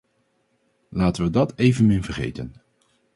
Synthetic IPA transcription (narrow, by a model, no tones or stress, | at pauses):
laːtənʋədɑtejvənmɪnvəɹḛjtən